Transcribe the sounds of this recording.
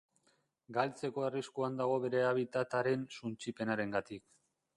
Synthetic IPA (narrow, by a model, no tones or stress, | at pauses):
ɡalt͡se̞ko̞ariskuand̪aɣo̞βe̞ɾe̞aβ̞it̪at̪aɾe̞nsunt͡ʃipe̞naɾe̞ŋɡat̪ik